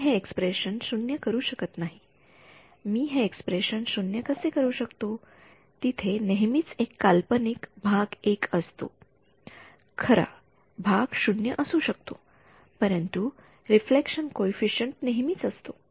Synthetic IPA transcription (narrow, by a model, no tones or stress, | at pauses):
ɦeekspɾeɕənsunjəkəɾuːɕəkət̪naɦi | miːɦeːkspɾeɕənsunjəkəsekəɾuːɕəkt̪o | t̪it̪ʰeneɦmiːt͡sekːalpənikbʱaɡekəst̪o̰ | kʰəɾa̰ | bʱaɡʃunjəʔəsuːɕək̚t̪o | pəɾənt̪u | ɾiflekɕənkoifiɕəɳʈneɦmiːt͡səst̪o